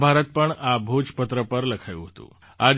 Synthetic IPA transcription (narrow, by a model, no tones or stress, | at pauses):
bʱaɾət̪̚pəɳabʱud͡ʒpət̪ɾəpəɾləkʰajṵɦot̪ṵ | ad͡z